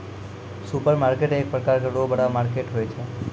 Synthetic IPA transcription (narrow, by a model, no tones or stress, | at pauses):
supəɾmaɾkeʈeːk̚pɾəkaɾkəɽobəɽamaɾkeʈɦojt͡ʃʰe